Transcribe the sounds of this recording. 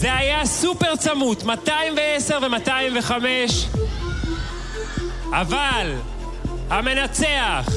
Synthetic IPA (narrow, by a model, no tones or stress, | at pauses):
zeajasupe̞ʁt͡samut̪mat̪aimveeseʁve̞mataimve̞χameʃ | aval | hame̞nat͡se̞aχ